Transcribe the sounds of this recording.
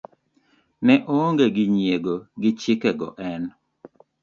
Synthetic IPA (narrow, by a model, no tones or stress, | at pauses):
nɛʔoŋɡeɡɪɲjeɡoɡɪt͡ʃɪkɛɡɔ̰ʔɛn